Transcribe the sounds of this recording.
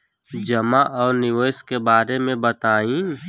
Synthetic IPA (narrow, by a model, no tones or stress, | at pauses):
d͡ʒəmaʔɔːɾnɪʋəːjskebaːɾemẽbət̪aːĩː